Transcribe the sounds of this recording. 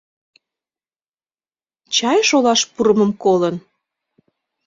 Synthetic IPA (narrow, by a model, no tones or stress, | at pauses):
t͡ɕɑjʃolɑʃpuɾəmə̆mkolən